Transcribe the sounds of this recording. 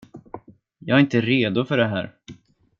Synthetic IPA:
jɑːɡaɾɪnt̪əɾeːd̪ʊfœɖɛɦæ̰ːɾ

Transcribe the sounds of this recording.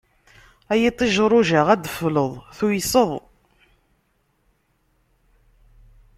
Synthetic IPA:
æjit̪ˤːiʒɾˤʊʒaʁæd̪əfləðˤθujsəðˤ

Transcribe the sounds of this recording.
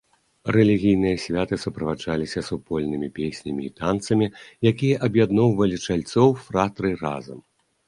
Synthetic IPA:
rɛlʲiɣʲijnɨjɐsʲvʲat̪ɨsupɾɐvad͡ʐalʲisʲɐsupɔlʲnɨmʲipʲesʲnʲɐmʲiːt̪ant̪sɐmʲijakʲijɐʔɐbjad̪nɔwvɐlʲit͡ʂalʲt̪sɔwfɾat̪ɾɨra̰zɐ̰m

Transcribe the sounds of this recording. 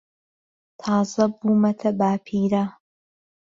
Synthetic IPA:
t̪ʰɑːzɐbuːmɐt̪ʰɐbaːpʰiːɾa

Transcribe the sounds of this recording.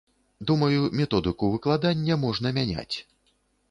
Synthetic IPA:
d̪umɐjumʲɛt̪ɔd̪ɨkuvɨklˠad̪anʲːɐmɔʐn̪ɐmʲanʲa̰t͡sʲ

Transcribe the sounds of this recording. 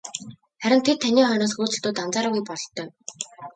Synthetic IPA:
χæɾʲɪ̆nt̪ʰet̪̚ʰːaniːχœjnɔːs̬xuːt͡sɘ̆ɬt̪uːt̪ant͡saːɾaːɣujpɔɞ̆ɬt̪ːœː

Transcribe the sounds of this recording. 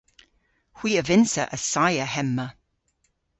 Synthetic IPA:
hw̥iːəvɪnsəʔəsajəhɛmːə

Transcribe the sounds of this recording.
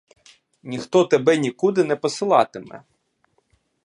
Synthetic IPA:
nʲixt̪ɔt̪ebɛnʲikud̪ɪnɛpɔsɪlˠɑt̪ɪmɛ̰

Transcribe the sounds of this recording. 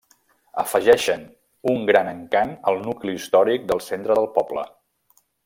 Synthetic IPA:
əfəʒɛʃən | uŋɡɾanəŋkanəlˠnukliːst̪ɔɾik̚d̪əlˠsent̪ɾəðəlˠpɔblə̰

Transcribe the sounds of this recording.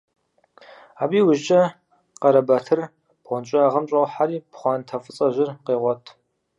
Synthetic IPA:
aːbiːwʊʒd͡ʒʼɐ | qɐɾɐbɐtʰɨr | b̥ʁʷɔnt͡ʃʷʼɪaːʁɐmɕʼɐwħaɾiːpχʷɑːntʰɐfɨt͡sʼɐʒɪrqeːʁʷɔtʰ

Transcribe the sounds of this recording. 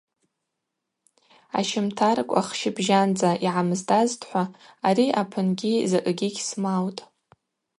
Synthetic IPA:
a̰ʃɪmtʰarkʷʼa̰χʃɪbʒand͡zaʔiʕamɨzdaztʰʼħʷaːɾiʔapʰɨnɡʲizakʼɡʲiɡʲsmawtʼ

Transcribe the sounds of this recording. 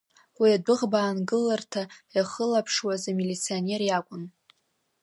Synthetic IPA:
wiadɨʁbaːnɡɨlartʰajaχəlapʰʂwazamilit͡sʰione̞rjakʷʼʊn

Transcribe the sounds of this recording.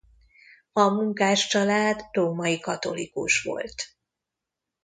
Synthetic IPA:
ɒmuŋkaːʃt͡ʃɒlaːd̪roːmɒikɒt̪o̞likṵʃʋo̞̰lt̪

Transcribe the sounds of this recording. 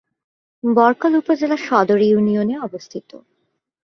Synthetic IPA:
bɔɾkolupod͡ʑelaʃɔd̪oɾijunioneɔbost̪ʰit̪o̰

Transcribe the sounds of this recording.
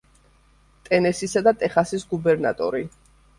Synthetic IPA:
t̪ʼɛnɛsisad̪at̪ʼɛχasisɡubɛɾna̰t̪ʼɔ̰ɾi

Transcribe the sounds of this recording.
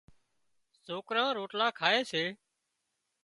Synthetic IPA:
soːkɾãːɾoːʈlaːkʰaːeːseː

